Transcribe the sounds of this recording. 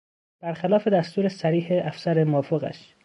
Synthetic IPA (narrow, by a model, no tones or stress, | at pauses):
b̥æɾxælɒːfe̞d̪æst̪uːɾesæɾiːheʔæfsæɾemoːfoɣæ̰ʃ